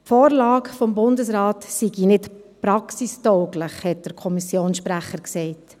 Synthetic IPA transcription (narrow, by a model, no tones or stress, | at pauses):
fɔːɾlɑːɡfɔmbʊndəsɾɑːtsiɡinɪtpɾɑksistɔʊɡləχhɛt̚d̥əɾkʰɔmisjoːnsʃpɾæχəɾksɛɪt